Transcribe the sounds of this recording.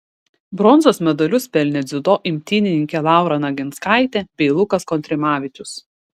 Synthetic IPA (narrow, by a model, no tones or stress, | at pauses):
bɾɔnzoːsmʲɛd̪ɔlʲʊspʲɛlʲnʲɛd̪zʲʊd̪oːʔɪmʲt̪ʲiːnʲɪnʲɪŋʲkʲɛlˠɑˑʊɾɐnɐɡʲɪnskɑˑɪt̪ʲɛbʲɛɪlˠʊkɐskɔnʲt̪ʲɾʲɪmɑːʋʲɪt͡ʃʲʊs